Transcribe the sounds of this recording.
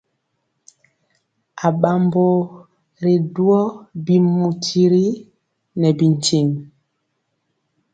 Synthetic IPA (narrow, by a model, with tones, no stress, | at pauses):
a˨ɓa˨mbo˨ | ɾi˨du˦ɔ˦bi˨mu˨tʰi˨ɾi˦ | nɛ˨bi˨n˨t͡ʃi˨ŋ